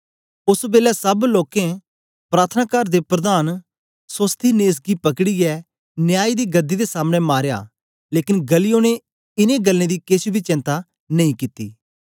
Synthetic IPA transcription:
ʊsbeːlɛsɐbloːkẽ | pɾaːt̪ʰənaːkəɾd̪epɾɐd̪aːn | səst̪ʰineːs̬ɡipɐkɽiɛ | njaːid̪iːɡɐd̪ːid̪esaːməɽ̃emaːɾja̰ː | leːkɪnɡəlijoːñẽ | ɪnẽɡəlːẽd̪ikesbʱit͡ʃɪ̃nt̪a | nɐĩkɪt̪ːḭː

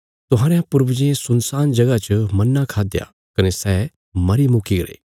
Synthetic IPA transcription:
t̪ʊɦaːɾejãpʊɾbd͡ʒiesʊnsaːnd͡ʒɐɡat͡ʃmɐnːakʰaːd̪ja̰ | kɐnesɛː | mɐɾimʊkiɡɐɾḛː

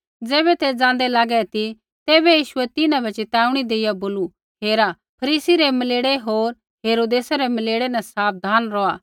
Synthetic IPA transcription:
d͡zɛːbɛt̪ed͡zãːn̆d̪ɛlaːɡɛt̪i | t̪eːbɛjiːʃʊɛt̪ɪnãbɐt͡ʃet̪ɛːʊɽ̃id̪eːɪjaboːlu | ɦeːɾa | pʰɐɾiːsiɾemɐleːɽeɦoːɾ | ɦeːɾoːd̪eːsaɾɛmɐleːɽenɛsaːp̚d̪ʱaːnɾɔaː

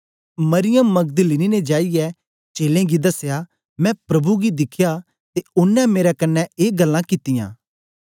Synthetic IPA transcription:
mɐɾɪjəmːɐɡ̚d̪linined͡ʒaːijɛ | t͡ʃeːlẽɡid̪ɐsːja | mɛ̃pɾɐbuɡid̪ɪkʰja | t̪eʊnːɛ̃meːɾakɐnːɛeːɡɐlːãkɪt̪ːɪjã̰ː

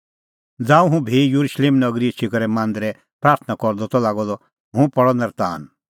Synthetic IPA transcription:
d͡zãːũɦũbʱijuɾuʃleːmnɐɡɾiet͡ʃʰikɐɾɛmãːnd̪ɾɛ | pɾaːɾt̪ʰnakɔɾd̪ɔt̪ɔlaːɡɔd̪ɔ | ɦũpɔɽɔnɐɾt̪aːn

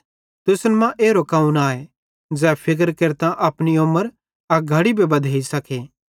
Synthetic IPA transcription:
t̪ʊsnmãʔeːɾokaːũnaːe | d͡zɛːpʰɪk̬əɾkeɾt̪ãʔɐpniʊmːəɾ | ɐɡʱɐɽibʱebɐd̪ʱeːisɐkʰeː

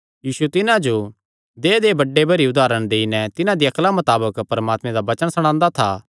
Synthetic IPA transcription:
jiːsut̪ɪnãd͡ʒo | d̪eːd̪eːbɐɖːebɐɾiʊd̪aːɾəɽ̃d̪eːinɛ̃t̪ɪnãd̪iɐklamɐt̪aːbəkpɐɾmaːt̪mẽd̪abɐt͡ʃəɽ̃sɐɽ̃ãːnd̪at̪ʰaː

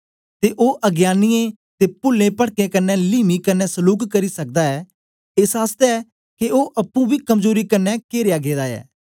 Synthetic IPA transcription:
t̪eːʔoːʔəɡjaːnɪjẽː | t̪eːpʊlːẽːpəɽkẽːkənːɛːliːmiːkənːɛːsəluːkkəɾiːsək̚d̪aːɛː | ɪsaːst̪ɛɛː | keoːʔɐpːũːbʱiːkəmzoːɾiːkənːɛːkeːɾejaːɡeːd̪aːɛ̰ː

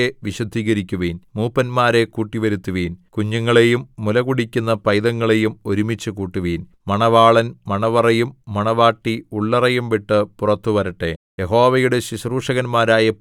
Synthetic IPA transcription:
eʋiɕɐd̪ʱiːɣɐɾikʲːuʋiːnmuːpːɐnmaːɾe̞kuːʈːiʋɐɾut̪ːuʋiːnkuɲːɐŋːɐɭe̞jumːulɐɣuɽikʲːunːɐpɐjðɐŋːɐɭe̞jumo̞ɾumit͡ɕːɨkuːʈːuʋiːn | mɐɳɐʋaːɭɐnmɐɳɐʋɐrɐjumːɐɳɐʋaːʈːiuɭːɐrɐjumʋiʈːɨpurɐt̪ːuʋɐɾɐʈːe̞̰jeɦo̞ːʋɐjuɽe̞ɕiɕruːʂɐɣɐnmaːɾaːjɐp

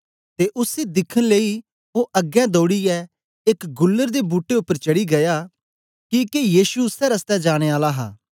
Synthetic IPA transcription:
t̪eʔʊsed̪ɪkʰənleːi | oʔɐɡɛ̃d̪oːɽiɛ | ekɡʊlːəɾd̪ebuːʈːeʊpːəɾt͡ʃɐɽiɡɐjaː | kikejiːsuʊsɛɾɐst̪ɛd͡ʒaːɽ̃eaːlaɦa̰ː

